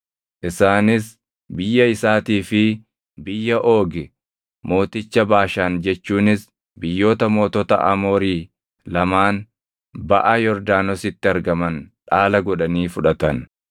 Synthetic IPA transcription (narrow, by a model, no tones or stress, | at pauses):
ʔɪsaːnɪs | bɪjːɐɪsaːt̪iːfɪ | bɪjːɐʔo̞ːɡɪ | mo̞ːt̪ɪt͡ʃːɐbaːʃaːnd͡ʒɛt͡ʃːuːnɪs | bɪjːo̞ːt̪ɐmo̞ːt̪ɔt̪ɐ̰ʔɐ̰mo̞ːɾiː | lɐmaːn | bɐ̰ʔɐjɔɾd̪aːnɔsɪt̪ːɪɐɾɡɐmɐnᶑaːlɐɡɔᶑɐniːfʊᶑɐt̪ɐn